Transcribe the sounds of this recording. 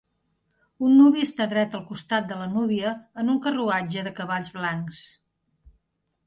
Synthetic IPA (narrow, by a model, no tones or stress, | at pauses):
unːuβiəst̪aðɾɛt̪əlˠkust̪at̪̚d̪ələnuβiəːnuŋkəruad͡ʒəðəkəβaʎzβlaŋks